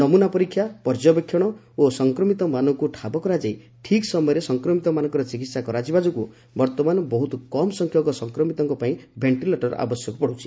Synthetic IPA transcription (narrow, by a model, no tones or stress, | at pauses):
nɔmunapɔɾikʰːjapɔɾd͡ʒɔbekʰjɔɽ̃ɔ | osɔŋkɾɔmit̪ɔmanɔŋkuʈʰabɔkɔɾad͡ʒai | ʈʰiksɔmɔjɔɾesɔŋkɾɔmit̪ɔmanɔ̃ŋkɔɾɔt͡ʃikit̪sakɔɾad͡ʒibad͡ʒɔku | bɔɾt̪ɔmanɔbɔɦut̪ɔkɔmɔsɔŋkʰjɔŋkɔsɔŋkɾɔmit̪ɔŋkɔpaĩbʱeɳʈileʈɔɾɔ̰ʔa̰bɔsjɔkɔpɔɽut͡ʃʰi̥